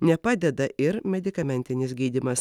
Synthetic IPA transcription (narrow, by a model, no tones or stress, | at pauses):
nʲɛpɑːd̪ʲɛd̪ɐʔɪɾmʲɛd̪ʲɪkɐmʲɛnʲt̪ʲɪnʲɪsɡʲiːd̪ʲɪmɐs